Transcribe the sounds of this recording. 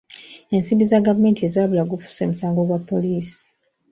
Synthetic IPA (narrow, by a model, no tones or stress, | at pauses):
e̞nsimbizaɡavume̞ːntiezaːβulaɡufu̥semusaːŋɡo̞ɡwapːo̞liːsi̥